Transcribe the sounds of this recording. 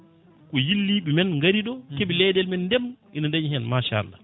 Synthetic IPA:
kɔjilːiɓimɛnŋɡaɾiɗɔkeɓilɛdɛlmɛnːdɛmʔinandaɲɦɛnmaʃa̰lːa̰

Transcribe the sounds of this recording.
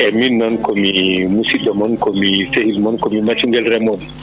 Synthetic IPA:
ɛminːɔnkomimusidɔmɔnkomisehilmɔnkomimat͡ʃuŋɡɛlɾɛmɔn

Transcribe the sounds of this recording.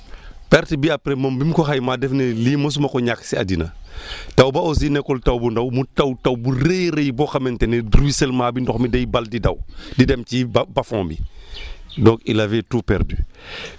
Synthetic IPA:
pɛɾtibiapɾemɐmbimkoxajmadɛfneliːmos̬umɐkɔɲaksia̰dinatawbaosinɛkɔltawbundawmutawtawburejɾejbɔxamentenediɾwiselmaːbindɔxmidajbaldida̰wdidɛmt͡ʃibbafɔ̰̃ːbḭ | dɔkilaveːtuːpɛ̰ɾdy̰

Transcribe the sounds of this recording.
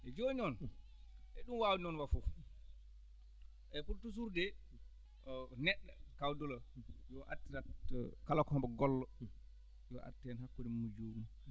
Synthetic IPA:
ʔɛd͡ʒoɲɔn | ʔɛɗumwawuɲɔnwafu | ʔɛpuɾtus̬uɾdɛ | ɔnɛɗːakawdɔlɔjɔʔa̰tːiɾa̰kalakɔɔmbɛɡɔlːɔ | jɔʔa̰tːɛnhakːudimud͡ʒomu

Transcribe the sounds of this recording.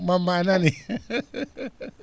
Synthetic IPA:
mamːanani

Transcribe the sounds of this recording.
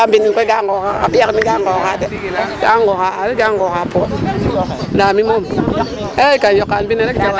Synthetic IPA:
ambinikʷeɡaŋɡokaa̰bijakmiɡaŋɡokadeɡ̥aŋɡokaɾiɡaŋɡokapo | lamimom | eɾeikanjokːanbineɾek

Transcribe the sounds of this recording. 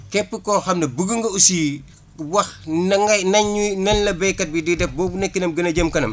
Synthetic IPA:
kɛpːəkɔxɐmnɐbuɡəŋɡɐusiː | wɐxnɐŋɐnɐɲːunɐnlɐbɛjkːɐt̚bididɛfbɔːbunɛkːinɐmɡənɐɟəmkɐnɐ̰m

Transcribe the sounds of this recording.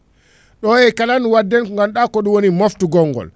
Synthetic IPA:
ɗɔjɛjkalanwadːɛnŋɡanɗakɔɗuwonimoftuɡɔŋːɡɔ̰l

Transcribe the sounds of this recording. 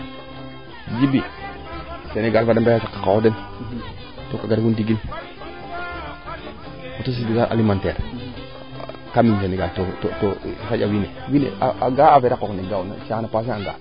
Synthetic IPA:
d͡ʒibi | seneɡalfadbajasakːḁkawoden | tokaɡaɾkundiɡil | kotos̬idiɡaʔa̰limanteɾ | kamins̬eneɡaltototosad͡ʒawinewinḛa̰ʔaɡaafeɾakokneɡana̰ʃanapas̬eaŋɡa

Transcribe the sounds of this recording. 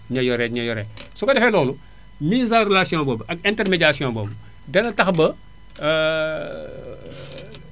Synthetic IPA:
ɲɐjɔɾɛɲɐjɔɾɛsukɐdɛfɛlɔːlu | miːzãrelasiɔ̃bɔbʔɐk̚ɛntɛrmeɟasiɔ̃ːbɔb | dɛnɐtɐxbɐ

